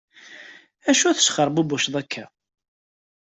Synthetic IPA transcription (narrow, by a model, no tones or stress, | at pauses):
æʃuæθə̥ʃχəɾˤbubuʃðˤækʰːæ